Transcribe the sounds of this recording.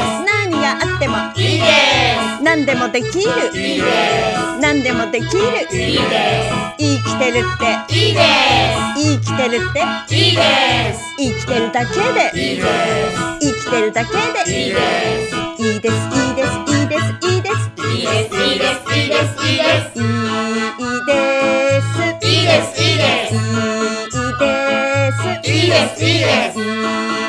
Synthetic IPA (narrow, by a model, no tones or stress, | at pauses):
nãɲ̟iɡaʔat̪ːe̞mo | nãnd̪e̞mo̞d̪e̞kʲiɾɯ̟ | nãnd̪e̞mo̞d̪e̞kʲiɾɯ̟ | iːkʲi̥t̪e̞ɾɯ̟t̪ːe̞ | iːk̬ʲi̥t̪e̞ɾɯ̟t̪ːe̞ | iːkʲi̥t̪e̞ɾɯ̟d̪ake̞d̪e̞ | ikʲi̥t̪eɾɯd̪aked̪e | id̪esid̪esid̪esid̪esisis | i | id̪es | i | id̪esi | e